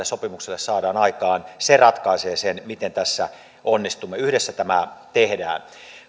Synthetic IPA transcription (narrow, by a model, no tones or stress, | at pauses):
essopimukselːessɑːdɑːnɑikɑːnserɑt̪kɑiseːsenmit̪ent̪æsːæ | onːist̪umːeyhdesːæt̪æmæt̪ehdæ̰ːn